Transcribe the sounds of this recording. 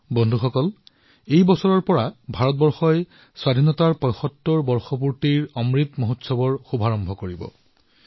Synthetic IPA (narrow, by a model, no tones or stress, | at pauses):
bɔndʱuxɔkɔl | ejbɔsɔɹɔɹpɔɹabʱaɹɔt̚bɔɹxɔj | swadʱinɔtaɹpɔjxɔtːɔɹbɔɹxɔpuɹtiɹɔmɹitmoɦotsɔbɔɹxubʱaɹɔmbʱɔkoɹibɔ̰